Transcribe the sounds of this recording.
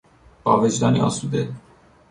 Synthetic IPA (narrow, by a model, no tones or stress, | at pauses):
b̥ɒ̰ːved͡ʒd̪ɒːniɒ̰ːsuːd̪e